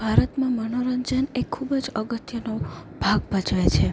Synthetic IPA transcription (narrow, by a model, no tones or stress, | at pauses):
bʱaɾət̪mãmənoɾəɲd͡ʒənekʰːubd͡ʒəɡət̪jənob̥ʱaɡbət͡ʃʋet͡ʃʰe